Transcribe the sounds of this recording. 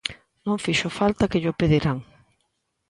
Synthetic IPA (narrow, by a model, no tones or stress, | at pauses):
nõŋfiʃofalt̪ɐkeʎopeðiɾaŋ